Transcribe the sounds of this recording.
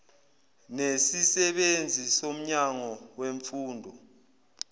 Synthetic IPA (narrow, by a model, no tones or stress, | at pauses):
nesisɛɓend͡zʱisom̩ɲaŋɔweɱfuːndʱɔ